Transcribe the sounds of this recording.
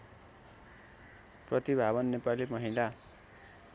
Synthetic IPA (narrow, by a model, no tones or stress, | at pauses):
prʌt̪ibʱaβʌnːepalimʌɦila